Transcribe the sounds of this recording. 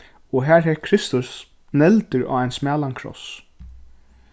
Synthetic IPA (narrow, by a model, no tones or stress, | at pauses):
ɔɦæːɹɦɛːɾkʰɾɪst̪ʊs | nɛlt̪əɹa̰ːajnsmæːlankʰɾɔ̰s